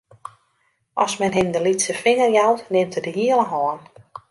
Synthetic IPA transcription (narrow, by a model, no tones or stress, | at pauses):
ʔɔsmɛnɦɪndəlitsəfɪŋərjawtnɪmtədəɦiələɦɔːn